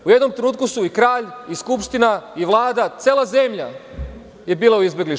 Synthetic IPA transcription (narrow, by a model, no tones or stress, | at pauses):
uje̞d̪no̞mt̪ɾenuːt̪kusuikɾaːʎiskupʃt̪inaiʋlˠaːd̪at̪seːlˠazemʎa | je̞biːlˠauizbe̞ɡliʃ